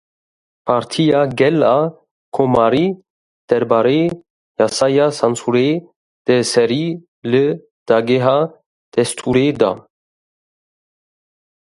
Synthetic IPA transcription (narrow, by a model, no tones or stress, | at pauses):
pʰaɾt̪ʰijaɡɛla | kʰomaɾi | d̪̥ɛɾbaɾe | jasajasansuɾe | d̪̥ɛsɛɾi | lɨ | d̪̥ɑɡeɦa | d̪̥ɛst̪ʰuɾed̪a̰